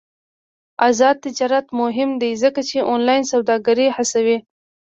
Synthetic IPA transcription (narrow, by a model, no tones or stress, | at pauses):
azɑd̪̚t̪ːɪd͡ʒɑɾat̪mʊɦɪmd̪izəkat͡ʃeʔonlɑjnsawd̪ɑɡaɾihasawi